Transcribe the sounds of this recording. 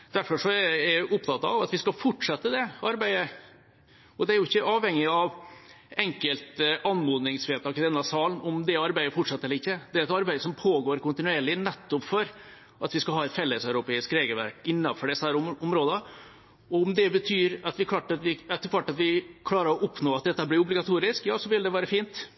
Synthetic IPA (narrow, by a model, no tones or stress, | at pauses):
d̪̥æɾfɔʂɔæɛʊpt̪ʰɑt̪ːɑ̰ʋɑt̪ʋɪskɑfɔʈʂɑt̪ːəd̪ɛɑɾbæɪə | ɔd̪ɛæɾjʊɪçːəʔɑːʋhɛŋːɪɑʋ | ɛŋkəlt̪ɑnmoːd̪nɪŋsfeːt̪ʰɑːkɪd̪ɛnːɑsɑːln̩ɔmd̪ɛɑɾbæɪəfɔʈʂɑt̪əɛlːəɾɪçːəd̪̥ɛæɾɛt̪ɑɾbæɪd̪əsɔmpʰoːɡoːɾkʊnt̪ɪnʉeːɭɪnɛt̪ːʊpfɔɾ | ʔɑt̪ʋɪskɑlɦɑːɛt̪fɛlːəsœʉɾʊpeːɪskɾeːɡəlʋæ̰ɾkɪnːɑfɔɖɛsəhæːɾʊʊmɾoːd̪ə | ɔʊmd̪ɛbət̪ʰyːɾɑt̪ʋɪkʰlɑːʈɑt̪ʋɪɛt̪ːəɾkʰʋɑʈːɑt̪ʋɪkʰlɑːɾəɾɔʔʊpnoːɑt̪̚d̪ɛt̪ːəblɪɾʊblɪɡɑt̪ʰuːɾɪskjɑːsɔʋɪld̪ɛʋæːɾəfiːnt̪